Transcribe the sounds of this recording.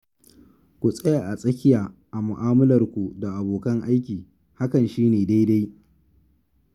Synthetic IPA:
kʷu˨sʼɐ˦ja˨ʔa˨sʼɐ˦kʲɪ˦jaː˨ʔa˨mʊ˨ʔaː˦mɐ˦lɐ˨rkʷu˨da˨ʔa˨boː˨kɐ˦ŋʔa˦jkʲiː˨ | ha˦kɐ˨nʃiː˦neː˨da˦jda˦j

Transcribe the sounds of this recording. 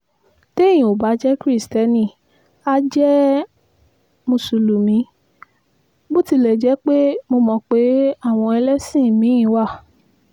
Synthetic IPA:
te˦˨j̃ĩ˨o˨ba˨˦d͡ʒɛ˦kɾi˦˨stɛ˧˦nĩ˧˨ | a˦d͡ʒɛ˦ | mũ˧˨su˨lu˨mĩ˨˦ | bo˦ti˧lɛ˨d͡ʒɛ˨˦k͡pe˦mo˧mɔ̃˧k͡pe˨˦a˦˨w̃ɔ̃˧ɛ˧lɛ˦sĩ˦˨mĩ˨˦ĩ˨˧˦wa˦˨

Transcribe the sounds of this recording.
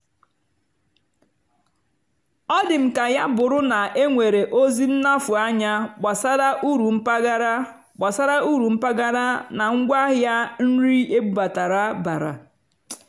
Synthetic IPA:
ɔ˦dɪ˨m̩˨ka˨ja˦bʊ˨ɾʊ˦na˨e˦ŋʷe˨ɾe˨ʔo˦zi˦n̩˦na˦fʊ˨a˦ɲa˦ɡ͡ba˨sa˦ɾa˦ʔu˦ɾu˨m̩˦pa˦ɡa˦ɾa˦ | ɡ͡ba˨sa˦ɾa˦u˦ɾu˨m̩˦pa˦ɡa˦ɾa˦na˨ŋ̩˦ɡʷa˦ɦja˦n̩˦ɾi˦e˦ɡ͡bu˦ba˨ta˨ɾa˦ba˨ɾa̰˨

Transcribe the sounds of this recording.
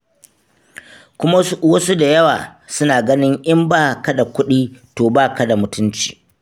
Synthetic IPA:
kʷʊ˦ma˦wɐ˦su˦da˨jɐ˦wa̰ː˨sʊ˦naː˨ɡɐ˦nɪ˦ŋʔɪ˦mbaː˦˨ka˦da˨kʷʊ˦ɗiː˦toː˨baː˦˨ka˦da˨mʊ˨tʊ˦nt͡ʃi̥ː˨

